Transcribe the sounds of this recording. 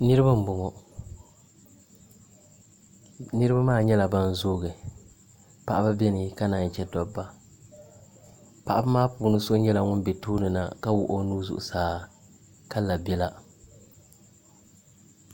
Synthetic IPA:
nɨ˦ɾɨ˦ba˦m̩˦bʊ˨ŋɔ˨ | nɨ˦ɾɨ˦ba˦maː˦˨ɲɛ˦la˨ba˦n˦zoː˦ɡɨ˨ | pa̰˨ʔa˦ba˦bɛ˦nɨ˨ka˦na˨n˨t͡ʃɛ˦dɔ˨bːa˦ | pa˨ʔba˦maː˦puː˨nɨ˦so˦ɲɛ˦la˨ŋʊ˦n˦be˨tuː˦nɨ˨na̰˨ka˦wʊ˨ʔo˦nuː˦zʊ̰˨ʔʊ̰˨saː˦˨ | ka˦la˨bɛ˦la˦

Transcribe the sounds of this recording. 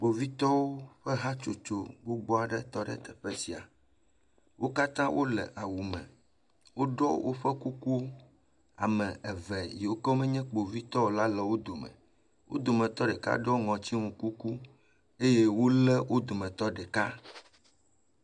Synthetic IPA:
k͡po˨vi˦t̪ɔ˦wo˦ɸɛ˦ɦa˦t͡ʃo˨t͡ʃo˨bo˦ɡ͡bɔ˦a˨ɖɛ̰˨t̪ɔ˦ɖɛ̰˨t̪ɛ˨ɸɛ˦si˨a̰˨ | wʔo˦ka˦t̪ã˦wʔo˦lɛ̰˨ʔa˨wu˨mɛ̰̃˨ | wo˦ɖɔ˦wʔo̰˦ɸɛ˦ku˦ku˦ | a̰˨mɛ̃˨ʔɛ˨vɛ˨ji˨wo˦kɛ˦o˦mɛ̃˦ɲɛ̃˦k͡po˨vi˦t̪ɔ˦wo˨la˦lɛ˨wo˦d̪o˨mɛ̰̃˨ | wʔo̰˦d̪o˨mɛ̃˨t̪ɔ˦ɖɛ˨ka̰˦ɖɛ˦o˦ŋɔ̃˨t͡ɕi˦ŋũ˨ku˦ku˦ | e˦je˦wo˦lɛ˦wʔo˦d̪o˨mɛ̃˨t̪ɔ˦ɖɛ˨ka˦

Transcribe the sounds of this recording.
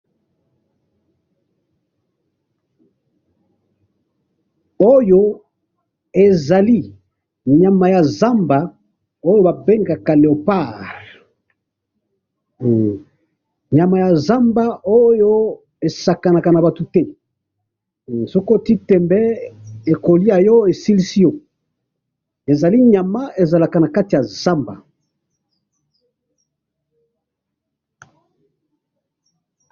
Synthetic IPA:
o˦jo˦ | e˨za˨li˦ | ɲa˨ma˨ja˨za˦mba˨ | o˦jo˦ba˨be˦ŋɡa˨ka˨le˨o˨pa˦˨ʁ | ɲa˨ma˨ja˨za˦mba˦ʔo˦jo˦ | e˨sa˨ka˨na˨ka˨na˨ba˨to˨tɛ˦ | so˦ko˦˨ti˦tɛ˨mbɛ˦e˨ko˨li˦ja˨jɔ˦e˨si˦li˦si˦jo˦ | e˨za˨li˦ɲa˨ma˦e˨za˨la˨ka˨na˨ka˦ti˨ja˨za˦mba˨

